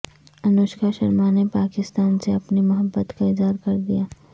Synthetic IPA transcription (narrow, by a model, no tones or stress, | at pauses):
ɐnoːʃkaʃɐɾmanepaːkɪst̪aːnseɐpnimʊɦəbːət̪kaɪzɦaːɾkɐɾd̪ijaː